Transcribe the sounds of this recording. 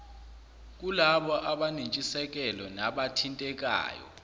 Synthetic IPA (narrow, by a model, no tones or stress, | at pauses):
k̬ulaɓɔʔaɓanint͡ʃʼisɛk̬ʼɛlɔnaɓatʰintʼɛk̬ʼa̰ːjɔ̰